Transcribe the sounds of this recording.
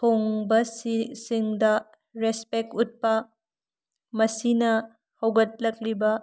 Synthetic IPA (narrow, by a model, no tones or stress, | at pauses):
poŋbɐsisiŋdɐ | ɾespek̚ut̚pɐ | mɐsinɐ | hɐwɡɐt̚lɐk̚libɐ